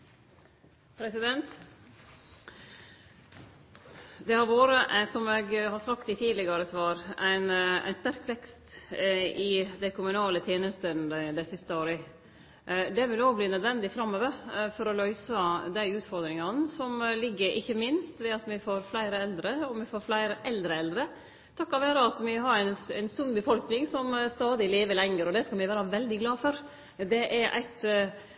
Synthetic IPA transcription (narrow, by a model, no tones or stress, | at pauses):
pʰɾɛsɪd̪ɛnt̪ | d̪ɛhɑɾʋoːɾəʔsɔmɛɡhɑɾsɑkt̪ɪt̪ʰiːd̪lɪɡɑɾəsʋɑːɾæɪnæ̰ɪnst̪æɾkʋɛkst̪ | ɪd̪ɛkʰʊmʉnɑːlət̪ʰjeːnəst̪ənd̪æd̪ɛsɪst̪əoːɾə | d̪ɛʋɪloːɡbliːnœd̪ʋɛnd̪ɪfɾɑmːoːʋəɾfɔɾɔlœʏsəd̪æɪʉːt̪fɔɾd̪ɾɪŋɑnsɔmlɪɡːəɾʔɪ̰çːəmɪnst̪ʋɛɑt̪mɪfoːɾflæɪɾəɛld̪ɾəɔmɛfoːɾflæɪɾəʔɛld̪ɾəɛld̪ɾə | t̪ʰɑkːɑʋæːɾəɑt̪mɪɦɑɾænæɪnsʉnːbəfɔlknɪŋsɔmst̪ɑːd̪ɪleːʋəlɛŋːəɾɔd̪ɛskɑmɛɪʋæːɾɑʋɛld̪ɪɡlɑːfɔɾ | d̪ɛʔɛɾʔæ̰ɪt̪